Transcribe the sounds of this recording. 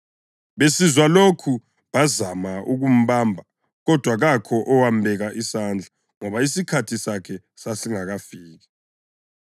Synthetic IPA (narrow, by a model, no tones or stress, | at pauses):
βesizwalokʰu | βazamauɣum̩βaːmbʱa | ɣɔd̥ʱwaɣakʰɔʔɔwambʱɛɣaʔisand͡ɮʱa | ŋɔβaisikʰatʰisakʰɛ | sasiŋaɣafiːɣɛ